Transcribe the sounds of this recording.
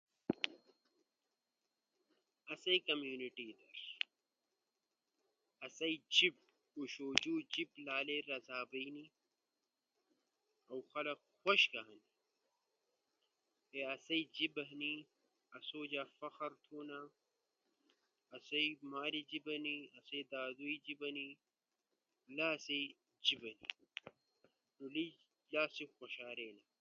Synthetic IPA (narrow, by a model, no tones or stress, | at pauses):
ɐsɐikɐmjuːniʈiːd̪ɐɾ | ɐsɐid͡ʑib̚ | uɕoːd͡ʑuːd͡ʑiblaːleɾɐzaːbɐini | ɐwxɐlɐqxoɕɡaɦɐni | eɐsɐjd͡ʒibɐɦni | ɐsoːd͡ʒafɐxɐɾt̪ʰoːnɐ | ɐsɐjmaːɾid͡ʒibɐniɐsɐjd̪aːd̪uid͡ʒibɐni | laːsɐj | d͡ʒibɐni | nʊli | laːsixʷɔʃaːɾeːnɐ